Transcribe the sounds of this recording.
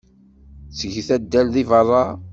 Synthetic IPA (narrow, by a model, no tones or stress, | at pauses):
sʝθæd̪ːælðivɑrˤːɑ